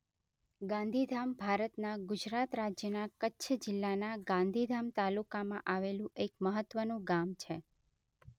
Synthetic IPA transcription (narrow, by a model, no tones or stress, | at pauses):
ɡãnd̪ʱid̪ʱambʱaɾət̪naɡʊd͡ʒɾat̪ɾad͡ʒjənakətːʃʰəd͡ʒɪlːanaɡãnd̪ʱid̪ʱamt̪alukamãʔaʋelũʔekməɦət̪ːʋənũɡamt͡ʃʰe